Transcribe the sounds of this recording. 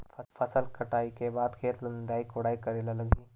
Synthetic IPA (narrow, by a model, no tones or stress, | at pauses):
fɐsəlkɐʈaːikebaːd̪kʰeːt̪lənd̪aːikoɽaːikɐɾeːlalɐɡiː